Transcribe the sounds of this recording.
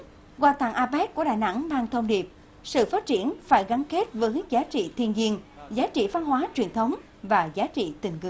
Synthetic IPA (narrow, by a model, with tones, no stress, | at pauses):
ɣwaː˧t̪a˧˩ŋʔaː˧ɓɛ˦˥t̚ku˧˩əɗaː˨˩jna̰˧˥ŋmaː˧ŋt̪ʰə˧wŋ͡mɗi˨˩əp̚ | sɨ̰˧˨faː˦˥t̚t͡ɕi˧˩ənfaː˧˩jɣa˨˦nke˦˥t̚vəː˨˦jzaː˨˦t͡ɕḭ˧˨t̪ʰi˧ənzi˧ənzaː˨˦t͡ɕḭ˧˨va˧nɦwaː˨˦t͡ɕwi˨˩ənt̪ʰə˨˦wŋ͡m | vaː˨˩zaː˨˦t͡ɕḭ˧˨t̪ï˨˩ŋ̟ŋɨ̰˧˩˨